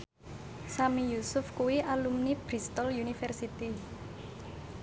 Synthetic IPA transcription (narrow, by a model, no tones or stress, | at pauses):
samijusʊfkuwiʔalumnib̥ɾist̪ɔljunifɛrsit̪i